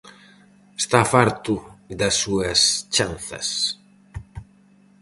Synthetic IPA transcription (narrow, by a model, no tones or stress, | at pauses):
est̪afaɾt̪uðɐsːuɐst͡ʃanθɐ̰s